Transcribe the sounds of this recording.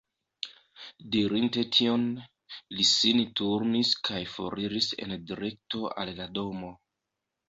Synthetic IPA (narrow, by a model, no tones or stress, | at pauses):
diɾinte̞tʰio̞n | lisintuɾniskʰajfo̞̰ɾiɾise̞̰ndiɾe̞k̚to̞ʔa̰llado̞mo̞